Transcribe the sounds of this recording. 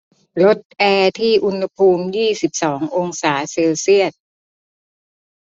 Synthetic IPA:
lo˦˥t̪̚ʔɛː˧t̪ʰiː˥˩ʔu˧nha˧pʰuː˧mjiː˥˩si˨˩p̚sɔː˩˦ŋʔo˧ŋsaː˩˦seː˧wsi˥˩ət̪̚

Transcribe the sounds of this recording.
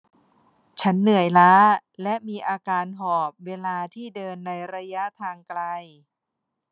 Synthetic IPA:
t͡ɕʰa˦˥nːɯ˩˦əjlaː˦˥ | lɛ˦˥ʔmiː˧ʔaː˧kaː˧nɦɔː˨˩p̚weː˧laː˧t̪ʰiː˥˩dɤː˧nːa˧jɾa˧ja˦˥t̪ʰaː˧ŋkla˧j

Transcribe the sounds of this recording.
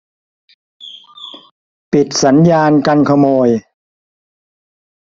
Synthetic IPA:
pi˨˩t̪̚sa˩˦njaː˧nka˧nkʰa˧moː˧j

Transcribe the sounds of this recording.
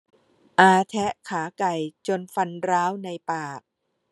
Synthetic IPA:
ʔaː˧t̪ʰɛ˦˥ʔkʰaː˩˦ka˨˩jt͡ɕo˧nfa˧nɾaː˦˥wna˧jpaː˨˩k̚

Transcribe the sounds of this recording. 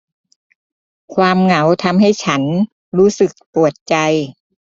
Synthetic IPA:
kʰwaː˧mŋa˩˦wt̪ʰa˧mɦa˥˩jt͡ɕʰa˦˥n | ɾuː˦˥sɯ˨˩k̚pu˨˩ət̪̚t͡ɕa˧j

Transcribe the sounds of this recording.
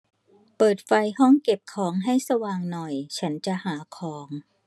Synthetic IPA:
pɤː˨˩t̪̚fa˧jhɔ˥˩ŋke˨˩p̚kʰɔː˩˦ŋɦa˥˩jsa˧waː˧ŋnɔ˨˩jt͡ɕʰa˦˥nt͡ɕa˨ʔhaː˩˦kʰɔː˩˦ŋ

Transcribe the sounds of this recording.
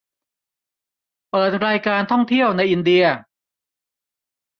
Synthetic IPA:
pɤː˨˩t̪̚ɾaː˧jkaː˧nt̪ʰɔ˥˩ŋt̪ʰi˥˩əwna˧jʔi˧ndi˧ɐ

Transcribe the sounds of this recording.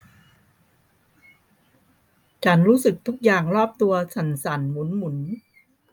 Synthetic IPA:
t͡ɕʰa˦˥nɾuː˦˥sɯ˨˩k̚t̪ʰu˦˥k̚jaː˨˩ŋɾɔː˥˩p̚t̪u˧ɐt͡ɕʰa˦˥nsa˩˦nmu˨˩˦nmu˩˦n

